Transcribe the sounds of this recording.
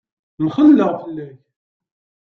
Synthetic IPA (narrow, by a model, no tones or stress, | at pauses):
mχəlːəʁfəlːæç